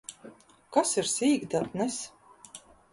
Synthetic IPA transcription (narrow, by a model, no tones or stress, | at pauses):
kasiɾsiːɡd̪at̪nɛs